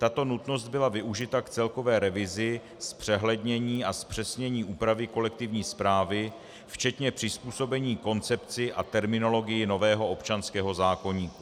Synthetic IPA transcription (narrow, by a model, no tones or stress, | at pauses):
t̪at̪o̞nut̪no̞st̪̚bɪlavɪʔuʒɪt̪akt͡sɛlko̞vɛːɾɛvɪzɪ | spr̝̥ɛɦlɛd̪ɲɛɲiːaspr̥ɛsɲɛɲiːʔuːpɾavɪko̞lɛk̚t̪ɪvɲiːspɾaːvɪ | ft͡ʃɛt̪ɲɛpr̥ɪspuːso̞bɛɲiːko̞nt͡sɛpt͡sɪʔat̪ɛɾmɪno̞lo̞ɡɪjɪno̞vɛːɦo̞ʔopt͡ʃanskɛːɦo̞zaːko̞ɲiːku